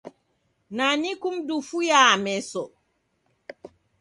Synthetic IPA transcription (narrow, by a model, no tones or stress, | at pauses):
nanikumdufujamɛsɔ